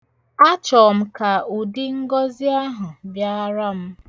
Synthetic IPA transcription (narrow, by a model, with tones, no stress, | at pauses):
a˦t͡ʃɔ˨m̩˦ka˨u˨di˦ŋ̩˦ɡɔ˦zi˦a˦ɦʊ˨bja˦a˦ɾa˦m̩˦